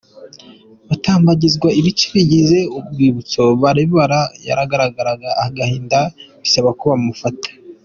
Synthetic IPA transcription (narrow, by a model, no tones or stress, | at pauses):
βataːmbaɟizɡwaiβit͡ʃi̥βiɟize̞ub̚ɡiːβut͡so̞βaɾiββaɾaja̰ɾaɡaɾaɡaɾaɡaːhaɡahiːndaβisaβakuβamufatḁ